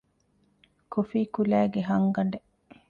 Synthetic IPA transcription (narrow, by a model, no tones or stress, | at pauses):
kofiːkulæːɡeɦɐŋɡɐɳɖe